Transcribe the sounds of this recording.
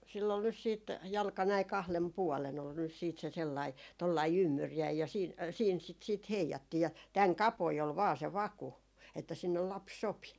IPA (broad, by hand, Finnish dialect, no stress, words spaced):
silː ol nys siːt jɑlkɑ næi kɑhlen puɔlen ol nys siːt se selːɑi tolːɑi ymːyrjæi jɑ jɑ siːn siːn sit siːt heijɑtːiː jɑ tæŋ kɑpoi ol ʋɑː se ʋɑku etːæ sinːel lɑps sopi